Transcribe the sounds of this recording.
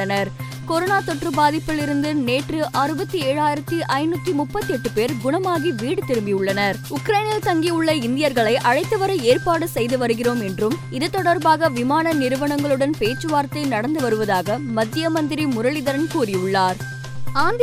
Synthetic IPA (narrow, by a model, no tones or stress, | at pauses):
ɐnɐɾ | kɔɾoːnaːt̪ɔʈrɯbaːðɪpːɪlɪɾɯnd̪ɯneːʈrɯʔaːɾɯbɐt̪ːieːɻaːjɪɾɐt̪ːiʔɐɪnut̪ːimʊpːɐt̪ːɯɛʈːɯpeːɾɡʊɳɐmaːɣiʋiːɽɯt̪ːɪɾɯmbɪjʊɭːɐnɐɾ | ʊkɾɐɪnɐlt̪ɐŋɡiʊɭːɐɪnd̪ɪjɐɾɣɐɭɐɪʔɐɻɐɪt̪ːɐʋɐɾɐeːrpaːɽɯsɛjðɯʋɐɾɯɣɪroːmɛndrɯm | ɪðɯt̪ːɔɽɐɾbaːɣɐʋɪmaːnɐnɪɾɯʋɐɳɐŋɡɐɭɯɽɐnpeːt͡ʃːɯʋaːɾt̪ːɐɪnɐɽɐnd̪ɯʋɐɾɯʋɐðaːɣɐmɐd̪ːɪjɐmɐnd̪ɪɾimʊɾɐɭɪðɐɾɐnkuːrɪʊɭːaːɾ | aːnd̪